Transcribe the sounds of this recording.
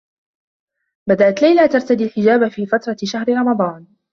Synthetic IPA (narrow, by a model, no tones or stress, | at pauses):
bad̪aʔat̪lajlat̪ɑɾˤt̪ad̪iːlħɪd͡ʒaːbafiːfat̪ɾˤɑʃahɾɪɾˤɑmɑd̪ˤɑːn